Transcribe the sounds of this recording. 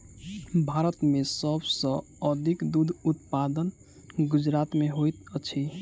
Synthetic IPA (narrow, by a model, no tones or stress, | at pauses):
bʱaɾət̪mesəbsə̃ | əd̪ʱikd̪ud̪ʱut̪pad̪ən | ɡud͡ʒɾat̪meɦojt̪ət͡ʃʰi